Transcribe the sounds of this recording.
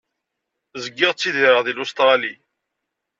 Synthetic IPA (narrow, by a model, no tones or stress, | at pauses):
zəɡːɪʁt͡sːiðiɾəʁðilust̪ʁɑli